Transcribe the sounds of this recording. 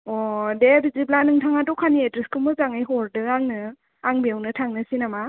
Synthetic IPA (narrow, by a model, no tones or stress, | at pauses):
ɔdebiziblanɯŋtʰaŋadɔkʰanietɾiskɯmɯzaŋajɦɔɾdɯaŋnɯ | aŋbiawnɯtʰaŋnɯsinama